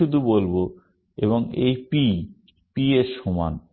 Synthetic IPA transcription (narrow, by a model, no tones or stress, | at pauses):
ud̪ʱubolbo | ḛβoŋejpi | pieʃoma̰n